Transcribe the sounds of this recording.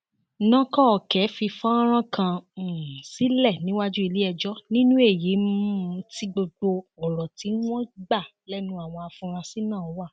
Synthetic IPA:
nɔ̃˦kɔ˦ɔ˨kɛ˨˦fi˧fã˦ɾ̃ã˦kʰã˧˨ | si˨˦lɛ˦˨nĩ˨˦wa˦d͡ʒu˦i˧li˦ɛ˧d͡ʒɔ˦nĩ˦nũ˦e˦˨je˨˦m˦ũ˦ti˦ɡ͡bo˧ɡ͡bo˧ɔ˨ɾɔ˨ti˨˦wɔ̃˦ɡ͡ba˦˨lɛ˦nũ˦a˦˨w̃ɔ̃˧a˧fũ˧ɾ̃ã˧si˨˦nã˦˨ɔ˨˦wa˦˨

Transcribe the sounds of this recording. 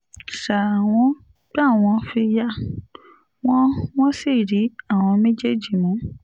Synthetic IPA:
ʃa˨a˨w̃ɔ̃˧ | ɡ͡ba˦˨w̃ɔ̃˧fi˧ja˦˨ | w̃ɔ̃˦w̃ɔ̃˦si˦˨ɾi˨˦a˦˨w̃ɔ̃˧mẽ˦d͡ʒe˦˨d͡ʒi˦˨mɔ̃˨˦

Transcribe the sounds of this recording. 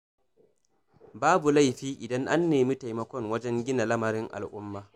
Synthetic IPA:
baː˦bu˨la˦˨jɸiː˦ʔɪ˨dɐ˦ŋʔa˦nːeː˨mi˦ta˨jmɐ˦kʷɔ˦ŋwɐ˦d͡ʒɛ˦ŋɡʲɪ˦na˨lɐ˦mɐ˨ɾɪ˦ŋʔa̰˨lʔʊ˦mːaː˦

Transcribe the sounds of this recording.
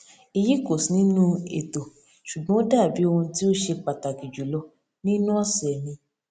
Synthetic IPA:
i˧ji˦ko˨snĩ˦nũ˦ḛ˨to˨ | ʃu˨ɡ͡bɔ̃˨˦o˦da˦˨bi˨˦o˧hũ˧ti˦o˦ʃe˧k͡pa˨ta˨ki˨d͡ʒu˨lɔ˧˦ | nĩ˦nũ˦ɔ˦sɛ˨nĩ˧

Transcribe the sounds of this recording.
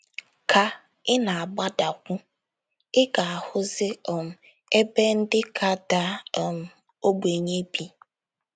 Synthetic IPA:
kʰa˦ | ɪ˦na˨a˨ɡ͡ba˦da˨kʷʊ˦ | ɪ˦ɡa˨a˨hʊ˦zɪ˦ɔ˨m̩˨ | e˦be˦n̩˦dɪ˦kʰa˦da˦ɔ˨m̩˨ | o˦ɡ͡be˨ɲe˦bi˨

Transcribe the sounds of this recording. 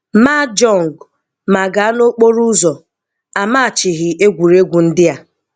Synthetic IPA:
ma˦d͡ʒɔ˦˨ŋ̩˨ɡ | ma˨ɡa˨a˦no˦k͡po˦ɾu˦zɔ˨ | a˨ma˦˨t͡ʃɪ˨ɦɪ˨ʔe˦ɡʷu˨ɾe˦ɡʷu˨n̩˦dɪ˦a˨

